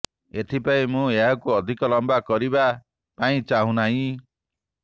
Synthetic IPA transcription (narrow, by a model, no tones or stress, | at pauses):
et̪ʰipaĩmũeɦakuɔd̪ʱikɔlɔmbakɔɾiba | paĩt͡ʃaɦũnaɦĩ